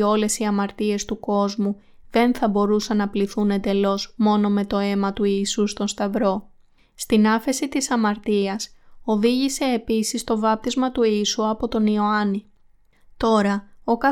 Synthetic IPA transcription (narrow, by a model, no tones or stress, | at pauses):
o̞le̞siɐmɐɾt̪ie̞st̪uko̞zmu | ðe̞nθɐbo̞ɾusɐnːɐpliθune̞nd̪e̞lo̞zmo̞no̞me̞t̪o̞e̞mɐt̪uiːsust̪o̞nst̪ɐvɾo̞ | st̪inɐfe̞sit̪isɐmɐɾt̪iɐso̞ðiʝise̞ːpisist̪o̞vɐp̚t̪izmɐt̪uiːsuɐpo̞t̪o̞nio̞ɐni | t̪o̞ɾɐo̞kɐ